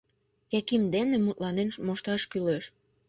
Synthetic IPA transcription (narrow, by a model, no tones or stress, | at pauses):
kækimd̪enemut̪lɑnenmoʃt̪ɑʃkyleʃ